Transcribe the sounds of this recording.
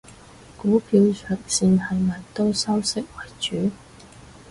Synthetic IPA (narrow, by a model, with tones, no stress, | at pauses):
kuː˨˥pʰiː˨˧wsʰœː˨k̚siː˧nhɐ˨jmɐ˨˩jt̪o˥wsɐ˥wsɪ˥k̚wɐ˨˩jt͡ʃyː˨˥